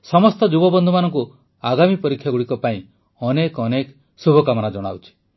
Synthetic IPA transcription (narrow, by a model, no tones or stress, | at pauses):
sɔmɔst̪ɔd͡ʒubɔbɔnd̪ʱumanɔŋku | aɡamipɔɾikʰːjaɡuɽikɔpaĩ | ɔnekɔnek | subʱɔkamɔnad͡ʒɔɽ̃a̰wt͡ʃʰi̥